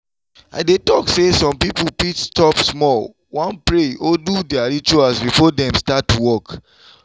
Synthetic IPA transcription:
a̰ɪdetɔksesɔ̃mpipupitstɔpsmɔl | wɔ̃npɹeodudɛaɹit͡ʃuasbifɔdɛ̃mstatwɔk

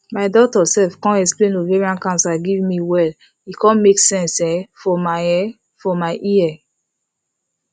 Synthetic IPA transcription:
maɪdɔtɔsɛfkɔ̃nɛksplẽnoveɹiãnkãnsaɡivmiwɛl | ikʰɔ̃nmeksɛ̃nsɛfɔmaɛ | fɔmaɪʔiɛ

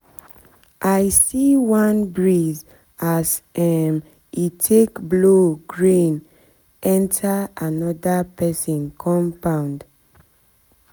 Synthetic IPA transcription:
ʔajsiwãnbɹiz | asɛm | itʰekbloɡɹĩn | ʔɛ̃ntʰaanɔdapɛsɔ̃nkʰɔ̃mpãʊ̃nd

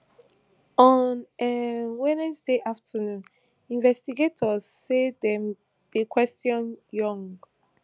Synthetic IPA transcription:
ɔnɛwɛnɛsdeʔaftʰənũn | ĩnvɛstiɡetʰɔzːedɛ̃m | d̥ekwɛstʰjɔ̃njɔ̃ŋɡ

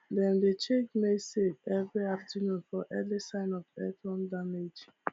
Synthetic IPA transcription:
dɛ̃ndet͡ʃekmesed͡ʒɛvɹiaftinũnfɔʔɛlisãɪnɔvɛtɔ̃ndamed͡ʒ

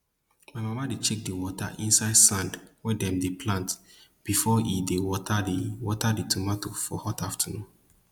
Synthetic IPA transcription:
maɪmamadet͡ʃek̚diwɔtʰa̰ʔĩnsaɪdsãndwɛdɛ̃mdepʰlãnt | b̥ifɔidewɔtʰaiwɔtaditʰumatofɔhɔtaftʰanũm

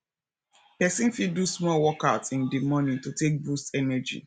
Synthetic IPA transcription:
pɛsĩnfidusmɔlwɔkatĩndimɔ̃nĩtotek̚bustɛnɛd͡ʒḭ

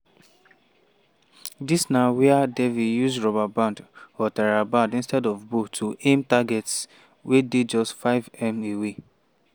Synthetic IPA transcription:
disnawɛadɛvijusɹɔbabãndɔtaɹabãndĩnstɛdɔvbotʰuʔẽmtaɡɛts | wʔeded͡ʒɔstfaɪvɛ̃mewe

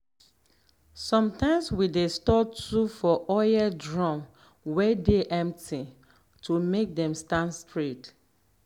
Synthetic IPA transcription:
sɔ̃mtãɪ̃mswidestɔtufɔʔɔjɛdɹɔ̃m | wɛdeʔɛ̃mptʰi | tʰumek̚dɛ̃mstãndstɹet

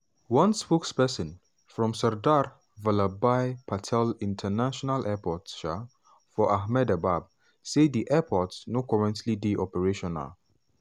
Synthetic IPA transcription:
wʌ̃nspokspɛsɔ̃n | fɹɔ̃msɛɹdaɾ | valabajpʰatʰɛlĩntʰənaʃɔnalʔɛpɔtʃa | fɔʔahmɛdabab̚ | sediʔɛpʰɔtsnokɔɹɛ̃ntʰlidiʔɔpɛɹeʃɔna̰l

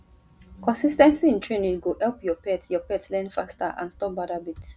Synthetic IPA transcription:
kɔ̃nsistɛ̃nsiĩntʰɹẽnĩnɡohɛlpjɔpɛtjɔpɛtlɛ̃nfasta̰ʔã̰nstɔp̚badabits

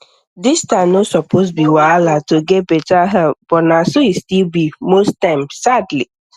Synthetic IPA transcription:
distãnosɔpʰos̬biwalatoɡɛt̚betaɦɛlp̚b̥ɔnasoistilbimostãɪ̃msadli

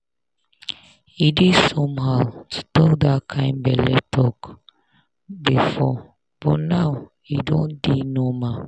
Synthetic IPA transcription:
idisɔ̃mhawtʰu̥tɔk̚d̪akʰãɪ̃nbɛlɛtʰɔk | bifɔ | b̥ɔnaw | idõndinɔma

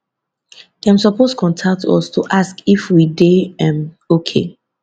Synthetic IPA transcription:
deãmsɔpostkʰɔ̃ntʰak̚tʰɔ̰stʰuʔaskifwideɛ̃m | okʰḛ

